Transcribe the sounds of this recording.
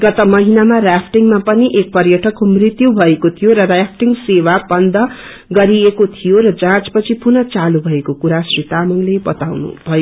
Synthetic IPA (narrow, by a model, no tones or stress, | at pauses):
ɡ̥ʌt̪ʌmʌɦinamarapʰʈiŋmapʌniʔek̚pʌrjʌʈʰʌkːumrit̪jubʱʌekot̪ʰijoɾʌrjapʰʈiŋsewabʌnd̪ʱʌ | ɡʌɾiekot̪ʰijoɾʌd͡zãt͡spʌt͡sʰipunʌt͡salubʱʌekokuɾasrit̪amʌŋlebʌt̪awnṵbʱʌjo